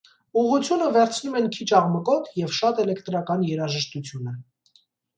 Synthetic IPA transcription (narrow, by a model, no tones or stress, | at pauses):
uʁut͡sʰjunəvɛɾt͡sʰnumɛnkʰit͡ʃʰɑʁməkɔt̪ʰjɛvʃɑt̪ɛlɛkt̪ɾɑkɑnjɛɾɑʒəʃt̪ut͡sʰjunə